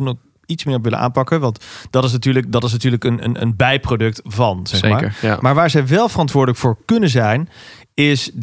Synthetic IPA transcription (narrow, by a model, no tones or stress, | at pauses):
nɔ | itsmɪːɹɔp̬ʋɪlə̰ʔa̰ːnpɑkəʋɑntd̥ɑtɪs̬natyːɹlək̚dɑtɪs̬natyːɹləkənə̰nə̰nbɛjprodɵk̚tvɑnz̥ɛχmaːɹə̰maːɹʋaːɹzɛjʋɛlˠvərɑntʋʊːɹdələkfʊːɹkɵnənzɛjn | ɪs